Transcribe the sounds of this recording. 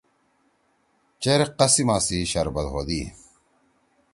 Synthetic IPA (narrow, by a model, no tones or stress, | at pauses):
t͡ɕeɾeqɐsimaːsiɕɐɾbɐlɦoːd̪iː